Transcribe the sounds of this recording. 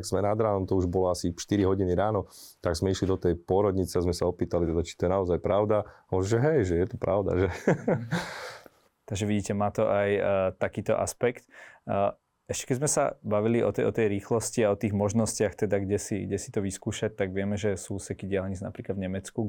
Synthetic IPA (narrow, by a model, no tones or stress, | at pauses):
ɡz̥mɛnad̪ɾaːnɔmt̪ɔuʒbɔlɔasiʃt̪iɾiɦɔɟiniɾaːnɔt̪aɡzmɛiʃlid̪ɔt̪ɛjpʊɔɾɔd̪ɲit͡sɛazmɛsaɔpiːt̪alit̪ɛd̪at͡ʃi̥t̪ɔjɛnaɔzajpɾaʊd̪amɔʒʒɛɦɛjʒɛjɛt̪ɔpɾʔaʊd̪a̰ʒɛ | t̪aɡʒɛʋiɟiːcɛmaːt̪ɔʔajt̪akiːt̪ɔ̰ʔa̰spɛkt̪ː | ɛʃcɛ̥kɛzmɛsa̰baʋiliʔɔ̰t̪ɛʔɔ̰t̪ɛjɾiːxlɔsciaɔt̪iːɣmɔʒnɔscɪaxt̪ɛd̪aɡɟɛsiɡɟɛsi̥t̪ɔʋiskuːʃac̚t̪aɡʋɪɛmɛʒɛsuːsɛkiɟɪalɲid͡zna̰pɾiːklad̪vɲɛmɛt͡sku